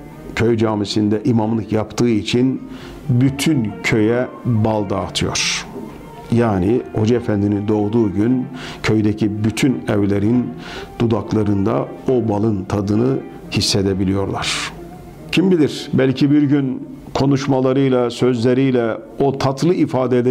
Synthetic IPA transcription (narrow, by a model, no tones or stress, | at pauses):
cʰøjd͡ʒaːmisind̪ɛʔimamlˠɯkjapt̪ʰɯːit͡ʃʰin | byt̪ʰyncʰø̞jɛbalˠd̪aːt̪ʰɯjo̞̰ɾ̥ | jaːniho̞d͡ʒaefænd̪inind̪o̞ɣd̪uːɟyncʰø̞jd̪ɛcʰibyt̪ʰynɛvlʲeɾin | d̪̥ud̪aklˠaɾɯnd̪a̰ | o̞balˠɯnt̪ʰad̪ɯnɯ | hisːed̪ebilʲijo̞ɾlˠa̰ɾ̥ | cʰimbilʲiɾ̥bælʲcʰibiɾɟyn | kʰo̞nuʃmalˠaɾɯjlˠasø̞zlʲeɾijlʲɛ | ot̪ʰat̪ʰlˠɯifaːd̪ɛlʲe